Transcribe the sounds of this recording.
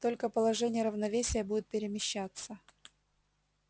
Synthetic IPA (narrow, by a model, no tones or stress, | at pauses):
t̪o̞lʲkəpəlˠɐʐɛnʲɪjəɾəvnɐvʲesʲɪjəbudʲɪt̪̚pʲɪɾʲɪmʲɪɕːat̪sːə